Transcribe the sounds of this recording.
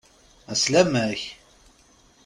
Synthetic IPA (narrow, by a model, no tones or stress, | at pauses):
æslæmæç